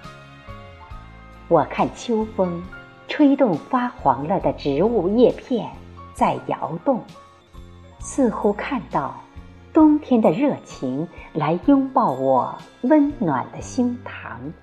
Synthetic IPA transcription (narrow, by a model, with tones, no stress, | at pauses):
wɔ˨˩kʰa˥˩nt͡ɕʰjo˥ʊfɤ˥ŋ | ʈ͡ʂʰwe˥ɪt̪ʊ˥˩ŋfa˥xwɑ˧˥ŋlə˥˩d̪ə˩ʈ͡ʂɻ̩˧˥u˥˧jɛ˥˧pʰjɛ˥˩nt͡sa˥˩ɪjɑ̰˧˥ʊt̪ʊ˥˩ŋ | sɹ̩˥˩xu˥kʰa˥˧nt̪ɑ˥˩ʊt̪ʊ˥ŋt̪ʰjɛ˥nd̪ə˨ɻɤ˥˩t͡ɕʰi˧˥ŋla˧˥ɪjʊ˥ŋpɑ˥˩ʊwɔ˨˩wə˥nnwa̰˨˩nd̪ə˦ɕi˥ŋt̪ʰɑ̰˧˥ŋ